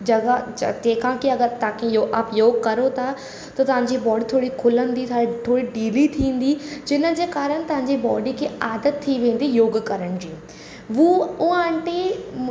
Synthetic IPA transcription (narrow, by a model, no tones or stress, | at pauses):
d͡ʑɐɡatẽːkʰãkiɐɡəɾt̪ãkʰejoɐpjoːɡkɐɾot̪ʰa | t̪ɐt̪ɐʋ̤ãɲd͡ʑibɔːɖit̪ʰoːɽikʰʊlənd̪it̪ʰːit̪ʰoːɽiɖiːlit̪ʰĩːn̆d̪id͡ʑɪnə̆d͡ʑeːkaːɾəñt̪ɐʋ̤ɦãɲd͡ʑibɔːɖikʰeːaːd̪ət̪ʰːiʋẽːn̆d̪ijoːɡkɐɾəɽ̃d͡ʑiː | ʋuʊãɳʈe